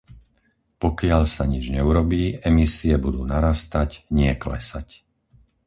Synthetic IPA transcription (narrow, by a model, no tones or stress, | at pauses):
pɔkɪaʎsaɲid͡ʒɲɛuɾɔbiːɛmisiɛbud̪uːnaɾast̪acɲɪɛklɛ̰sac